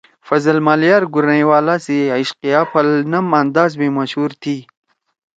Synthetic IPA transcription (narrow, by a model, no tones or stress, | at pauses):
fɐzɐlmaljɑːɾɡuɾnajwaːlasiaiʃqijaːpʰɐlnɐmand̪aːzmimɐʃhuːɾt̪ʰi